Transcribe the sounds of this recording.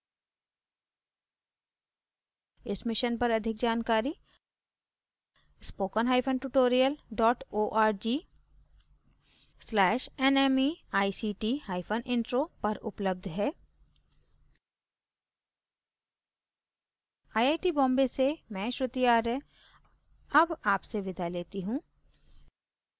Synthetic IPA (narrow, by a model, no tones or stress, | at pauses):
ɪsmɪʃənpɐɾɐd̪ʱɪkd͡ʒaːnkaːɾi | spoːkənɦaːɪpʰənʈuʈoːɾijəlɖɔːʈoːʔaːɾd͡ʒiː | slɛːʃɛneːmiaːisiːʈihaːɪpʰənʔɪ̃ɳʈɾopɐɾʊ̰pləb̚d̪ʱɦɛː | aːjaːɪʈibɔ̃ːmbesemɛ̃ʃɾʊt̪ijaːɾɛ̃ | ɐbaːpseʋɪd̪ʱaleːt̪iɦũː